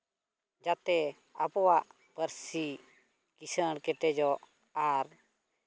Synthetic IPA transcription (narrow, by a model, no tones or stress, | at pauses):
d͡ʒat̪ɛ | abɔwaʔ | pəɾsi | kisəɽkɛʈɛd͡ʒɔʔ | aɾ